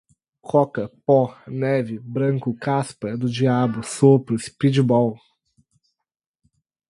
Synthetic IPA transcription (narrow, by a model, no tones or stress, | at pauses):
kɔkɐpɔnɛvɪbɾɐ̃ŋkʊkaspɐd̪ʊd͡ʒiabʊsopɾʊspid͡ʒibɔw